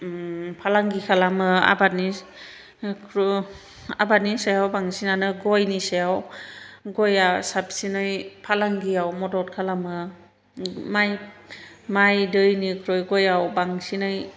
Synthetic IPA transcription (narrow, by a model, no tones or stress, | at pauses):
pʰalaŋɡikʰalamɯa̰bat̚ni | kʰɾ | a̰bat̚nisajawbaŋsinanɯɡɔjnisajaw | ɡɔjasabsinɯjpʰalaŋɡiawmɔdɔtkʰalamɯ | maj | majdɯjnikʰɾɔjɡɔjawbaŋsinɯj